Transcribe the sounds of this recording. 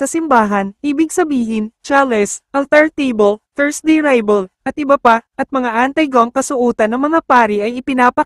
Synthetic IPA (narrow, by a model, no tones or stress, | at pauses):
sɐsɪmbaːɦɐnʔiːbɪɡ̚sɐbiːhɪnt͡ʃaːlɛsʔɐlt̪aɹt̪ejbɐlfɛɹsd̪ejɹajbɐlʔɐt̪̚ʔɪbɐpaʔɐt̪̚mɐŋaʔant̪ɐjɡoɐŋkɐsʊʔuːt̪ɐnːɐŋmɐŋapaːɾɪʔɐjɪpɪnaːpɐ